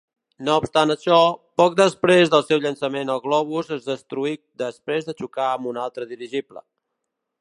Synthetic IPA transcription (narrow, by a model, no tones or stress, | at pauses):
noupst̪anəʃɔpɔk̚d̪əspɾezðəlˠsɛwʎənsəmenəlˠɣlɔβ̞uzəzðəst̪ɾuik̚d̪əspɾezðət͡ʃukaəmunalˠt̪ɾəðiɾiʒiplə̰